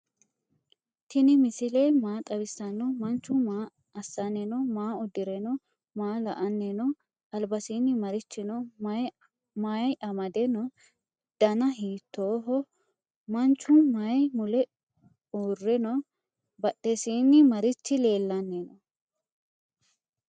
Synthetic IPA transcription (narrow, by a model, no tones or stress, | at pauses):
t̪ɪnɪmɪsɪleːmaːt̪ʼɐbɪsɐnːɔmɐnt͡ʃːʊmaː | ɐsːɐnɛnɔmaːʊd̪ɪɾɛnɔ | maːlɐ̰ʔɐnːɛnɔ | ɐlbɐsiːnːɪmɐɾɪt͡ʃːɪnɔmɐj | majʔɐmɐd̪ɛnɔ | d̪̥ɐnɐɦiːt̪ːoːɦɔ | mɐnt͡ʃːʊmɐjmʊlɛ | uːrːɛnɔ | bɐɗːɛsiːnːɪmɐɾɪt͡ʃːɪle̞ːlːɐnːɛnɔ